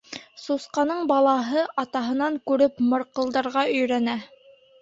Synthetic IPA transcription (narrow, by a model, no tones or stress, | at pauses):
susqɑnɤɴbɑlˠɑɦɤʔɑt̪ɑɦɤ̆nɑŋkʉɾɘpmɤ̆ɾqɤ̆lˠd̪ɑɾʁɑɵ̆jɾænæ